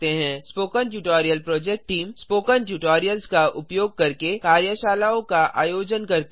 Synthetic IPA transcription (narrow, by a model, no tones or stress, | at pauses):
t̪eɦɛ̃ːspoːkənʈjuːʈɔːɾijəlpɾɔːd͡ʒɛk̚ʈʈʈiːmspoːkənʈjuːʈɔːɾijəlskaʔʊpjoːɡ̚kɐɾkekaːɾjəʃaːlaːõkaʔa̰ːjoːd͡ʒənkɐɾt̪